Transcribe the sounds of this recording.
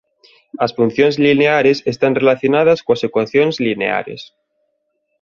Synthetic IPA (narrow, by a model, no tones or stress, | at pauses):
asfun̟θjonezlineaɾe̞sest̪anrelaθjonað̞askoasekwaθjonezlinḛa̰ɾe̞̰s